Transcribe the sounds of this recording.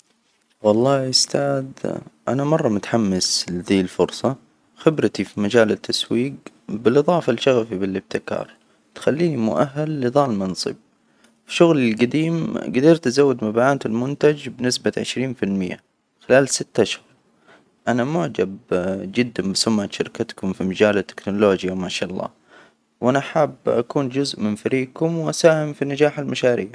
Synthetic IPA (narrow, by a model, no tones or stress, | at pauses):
wɑlˤːɑːʔʊst̪aːd̪ʔa̰namɑrˤːɑmʊt̪ħamːɪslɪd̪iːlfʊɾsˤɑ | xɪbɾɪt̪ifimad͡ʒaːlɪt̪ʰːaswiːɡ | bɪlʔɨðˤɑːfalʃaɣafibɪlɪb̚t̪ɪkɑ̰ːɾˤ | t̪xalːiːnimʊʔaɦːalːɨðˤɑːlmɑnsˤɨ̰b̚ | fiʃʊɣlɪlɡad̪iːmɡad̪iːɾt̪azawːɪd̪mabaʕaːt̪ɪlmʊnt̪ad͡ʒbɪnɪsbaʕɪʃɾiːnfɪlmɪ̰jːa̰ | xɪlaːlsɪt̪ːaʃhʊɾˤ | ʔanamʊʕd͡ʒabd͡ʒɪd̪ːambɪsʊmʕat̪ʃaɾkat̪kʊmfimad͡ʒaːlat̪ːɪ̥knʊloːd͡ʒjawmaːʃaːʔɑlˤːɑ̰ː | wʔanaaħaːbːʔakuːnd͡ʒʊzʔmɪnfaɾiːkʊmwʔasaːhɪmfinad͡ʒaːħalmaʃaːɾiːʕ